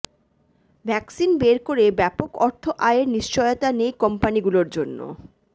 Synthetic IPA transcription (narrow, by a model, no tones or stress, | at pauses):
bʱɛksinbeɾkoɾebɛpokɔɾt̪ʰoʔaeɾniʃt͡ɕɔjot̪anejkɔmpaniɡuloɾd͡ʑonːo̰